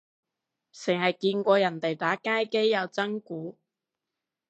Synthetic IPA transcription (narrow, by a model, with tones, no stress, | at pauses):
sɪ˨˩ŋhɐ˨jkiː˧nkʷɔː˧jɐ˨˩nt̪e˨jt̪aː˨˥kaː˥jke˥jːɐ˨˧wt͡sɐ˥ŋkuː˨˥